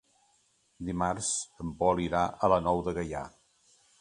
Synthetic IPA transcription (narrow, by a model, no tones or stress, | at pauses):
d̪imarst̪əmpɔliɾaʔələnɔwðəɣəja̰